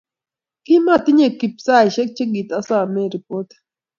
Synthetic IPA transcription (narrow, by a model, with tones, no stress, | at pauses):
ki˦ma˦t̪i˦ɲe˨ki˨psa˦jʃɛ˦k̚t͡ʃe˦ɡi˨t̪a˦sa˦˨mɛ˦ɾi˨po˦t